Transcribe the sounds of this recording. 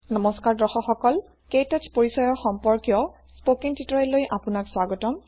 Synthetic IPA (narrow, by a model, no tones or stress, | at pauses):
nɔmɔskaɹdɔxɔxɔkɔl | kejtatpoɹisɔjɔxɔmpɔɹkjɔ | spokiŋtitɔɛlojʔapʊnakswaɡɔtɔm